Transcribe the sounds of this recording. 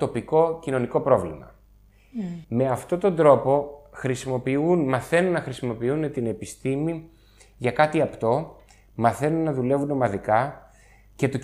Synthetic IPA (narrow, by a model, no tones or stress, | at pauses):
t̪o̞piko̞cino̞niko̞pɾo̞vlḭmɐ̰ | me̞ɐft̪o̞t̪o̞nd̪ɾo̞po̞xɾisimo̞piunmɐθe̞nunːɐxɾisimo̞piune̞t̪ine̞pist̪imi | ʝɐkɐt̪iɐpt̪o̞ | mɐθe̞nunːɐðule̞vuno̞mɐðikɐ | ce̞t̪o̞